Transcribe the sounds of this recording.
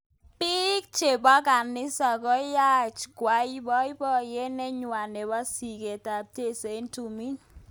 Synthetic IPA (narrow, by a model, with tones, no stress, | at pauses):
pi˦k̚t͡ʃe˨bɔ˦ka˨nɪ˦sa˨kɔ˦ja˦t͡ʃɡwa˨˦i˦bɔ˦i˦bɔ˦je˦nɛ˦ɲwa˨ne˨ba˦si˨ke˨ta˨p̚te˦˨se˨i˦ntu˨mi˦n